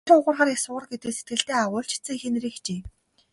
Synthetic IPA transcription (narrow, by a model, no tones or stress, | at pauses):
ĭŋʊʁə̆rχaːɾjasʊʁə̆rɡet̪ɘ̆kset̪̚ɡɘ̆ɬt̪eːaʁʊːɬt͡ɕʰɪ̥t͡sɘ̆ŋxenriːxt͡ɕeː